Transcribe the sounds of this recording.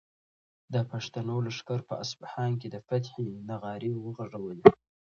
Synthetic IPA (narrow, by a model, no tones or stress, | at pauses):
d̪əpaʂt̪anawloʂkɑɾpəasbahɑnk̬ed̪əfat̪ħinaɣɑɾiwəɣaʐawəl